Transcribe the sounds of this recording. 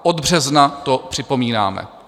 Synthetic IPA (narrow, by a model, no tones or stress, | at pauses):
ʔod̪br̝ɛznat̪o̞pr̥ɪpo̞miːna̰ːmɛ̰